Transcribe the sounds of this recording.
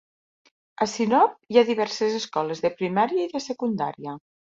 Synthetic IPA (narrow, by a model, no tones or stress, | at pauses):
əsinɔp̚iaðiβɛɾsəzəskɔləzðəpɾimaɾiəiðəsəkund̪a̰ɾiə